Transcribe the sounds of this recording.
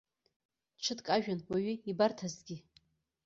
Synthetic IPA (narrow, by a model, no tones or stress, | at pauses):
ʈ͡ʂʷʰɨtkʼaʒᶣanwaɥiibartʰazɡʲi